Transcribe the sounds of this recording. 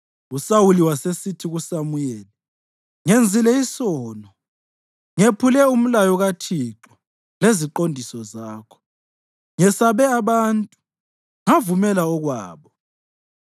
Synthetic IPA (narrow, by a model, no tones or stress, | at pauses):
usawuliwasesitʰiɣusamujɛːlɛ | ŋend͡zʱilɛisɔːnɔ | ŋepʰulɛum̩lajɔɣatʰiǁɔ | leziǃondʱisɔzaːkʰɔ̥ | ŋɛsaβɛaβantʼu | ŋavumɛlaɔɣwa̰ːβɔ